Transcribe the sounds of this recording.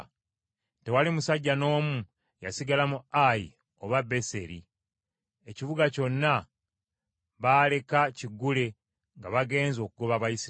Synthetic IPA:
te̞walimusaɟːano̞ːmu | ja̰siɡalamuajḭ | oβabe̞se̞ɾi | e̞ciβuɡaco̞nːa | βaːle̞kaciɡːule̞ | ŋɡaβaɡe̞ːnzo̞ːkuɡo̞βaβajisi

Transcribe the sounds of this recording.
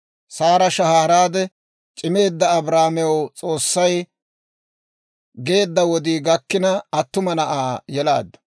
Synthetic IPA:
saːɾɐʃɐhaːɾaːd̪ɛ | t͡ʃʼɪme̞ːd̪ːɐːbɾaːmɛwt͡sʼo̞ːsːɐj | ɡe̞ːd̪ːɐwɔd̪iːɡɐkːɪnɐɐt̪ːʊmɐnɐʔaːjɛla̰ːd̪ːɐ̥

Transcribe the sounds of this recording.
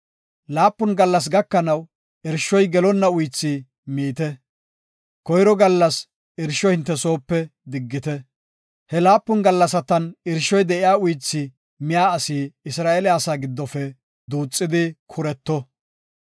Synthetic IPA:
laːpːʊnɡɐlːɐs̬ɡɐkːɐnɐw | ʔɪɾʃɔjɡɛlɔnːɐʊjt͡sːi | miːt̪ɛ | kɔjɾɔɡɐlːɐs | ɪɾʃɔhɪnt̪ːɛso̞ːpːɛd̪ɪɡːɪt̪ɛ | hɛlaːpːʊnɡɐlːɐsɐt̪ɐnɪɾʃɔjd̪ɛʔɪjaːʊjt͡sːɪ | mɪjaːɐsiːɪsɾaːʔelɛasaːɡɪd̪ːɔfɛ | d̪uːt͡sʼːɪd̪ɪkʰʊɾɛt̪ːɔ

